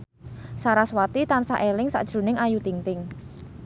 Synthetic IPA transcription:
saɾaswat̪it̪ansa̰ʔelɪŋsa̰ʔd̥ʒ̥ɾṳnɪŋajut̪iŋt̪ɪŋ

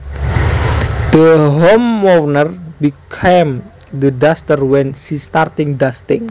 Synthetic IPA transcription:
d̪̥əɦomːovnərbikʰem | d̪ədast̪ərwɛnʃist̪art̪ɪŋdast̪ɪ̰ŋ

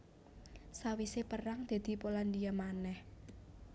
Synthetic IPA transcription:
sawisepəraŋd̪̥a̤d̪̥i̤poland̪iamanɛh

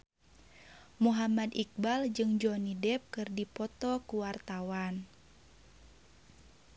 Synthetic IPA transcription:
muɦamadik̚bald͡ʒɨŋd͡ʒɔnidɛp̚kɨrdipɔt̪ɔkuwart̪awan

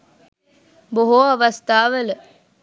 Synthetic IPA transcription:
boɦuɐʋɐst̪ʰaːʋələ

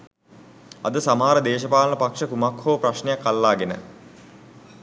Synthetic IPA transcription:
ɐ̰d̪əsamaːɾəd̪eːʃəpaːlənəpakʂəkumakhoːpraʃnejakːalːaːɡenə̰

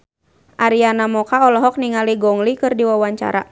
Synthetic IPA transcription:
ʔaɾianamɔkaɔlɔɦɔk̚niŋaliɡɔŋlikɨrdiwawaɲt͡ʃa̰ɾa̰

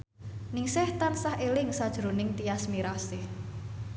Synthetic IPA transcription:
nɪŋsɛht̪ansahelɪŋsad̥ʒ̥ɾo̤nɪŋt̪iasmiɾasɪh

